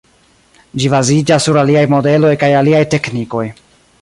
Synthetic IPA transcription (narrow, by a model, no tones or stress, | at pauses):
d͡ʒibazid͡ʒasːuɾaliajmo̞de̞lo̞jkajaliajte̞kniko̞j